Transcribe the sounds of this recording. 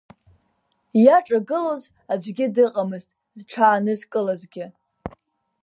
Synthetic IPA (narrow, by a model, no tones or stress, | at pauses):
jaʈ͡ʂʼaɡɨloz | ad͡ʒʷɡʲɪdɨqʼamɨztʼ | zʈ͡ʂʰaːnɨzkʼɨlazɡʲɪ